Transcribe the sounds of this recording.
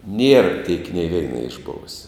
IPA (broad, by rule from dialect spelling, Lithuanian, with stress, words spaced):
nʲiɛr tʲiɛk nʲeː ˈʋʲɛɪnɐ ɪʒˈboːʋʊsʲɛ